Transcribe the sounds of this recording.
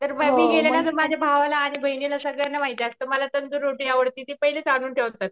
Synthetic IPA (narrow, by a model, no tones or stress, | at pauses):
t̪əɾməɡmiːɡelaasəmad͡ʑʱjabʱaʋalaːɽ̃ibʱəɦinjelasəɡɭjanːamaɦit̪jast̪əməlat̪ənd͡z̪uɾoʈiːaʋəɽt̪it̪iːpəɦilet͡saɽ̤̃uːnʈʰeʋt̪ət̪̚